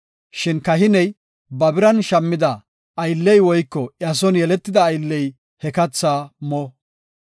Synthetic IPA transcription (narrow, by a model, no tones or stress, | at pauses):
ʃɪnkɐɦɪnɛj | bɐbɪɾɐnʃɐmːɪd̪ɐː | jlːɛjwɔjkːɔʔɪɐs̬ɔnjɛlɛt̪ːɪd̪ɐːjlːɛj | hɛkɐt͡sːaːmɔ